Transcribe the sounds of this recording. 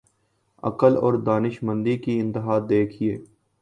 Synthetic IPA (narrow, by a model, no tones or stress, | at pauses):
ɐ̰kəlɔ̰ːɾd̪aːnɪʃmə̃nd̪ikiɪ̃nt̪ɪɦaːd̪eːkʰieː